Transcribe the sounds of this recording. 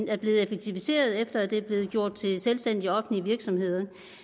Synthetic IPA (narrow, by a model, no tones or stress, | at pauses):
næɐb̥le̝ːð̩ˠefeɡ̥̚t͡sʰiʋise̝̰ːɐð̞̩ˠefd̥ɐæd̥e̝æb̥le̝ːð̞̩ˠɡ̥jo̝ɐ̰d̥̚t͡sʰe̝selsd̥en̰d̥iɒɒ̽fn̩liʋiɐɡ̥sɒ̽mhe̝ð̞̰ˠɐ